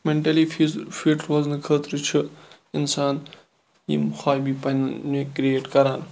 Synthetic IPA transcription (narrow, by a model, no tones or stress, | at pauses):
mẽɳʈɐlififiʈʰɾwaːznɨkʰəːt̪ɾɨt͡ʃʰɨ | ɪnsaːn | jḭmxʰaːjbipɐnnekɾieːʈkɐɾaːn